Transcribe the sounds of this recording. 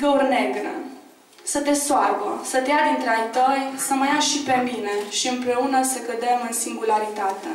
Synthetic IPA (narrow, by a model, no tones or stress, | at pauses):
ɡəurne̞ɡɾə̰ | sət̪e̞soarbəsət̪ejad̪int̪ɾeajt̪əjsəməjaʃipe̞mine̞ʃiɨmpɾe̞unəsəkəd̪e̞mɨnsiŋɡulaɾit̪at̪ḛ